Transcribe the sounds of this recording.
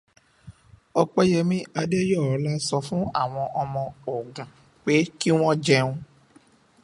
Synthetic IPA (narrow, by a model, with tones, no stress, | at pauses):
ɔ˧k͡pɛ˦jɛ˧mĩ˦a˧de˦jɔ˦˨ɔ˨˦la˦sɔ˧fũ˦a̰˦˨w̃ɔ̃˧ʔɔ˧mɔ̃˧ɔ˨ɡã˨ | k͡pe˨˦ki˦w̃ɔ̃˦d͡ʒɛ˧ũ˧